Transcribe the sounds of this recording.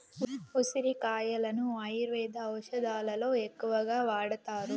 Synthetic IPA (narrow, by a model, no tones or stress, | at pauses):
usiɾikaːjɐlɐnuɐjɾʋɛːd̪ʱɐːwʂɐd̪aːlɐlo̞ːekːuʋɐɡaːʋaːɽɐt̪aːɾu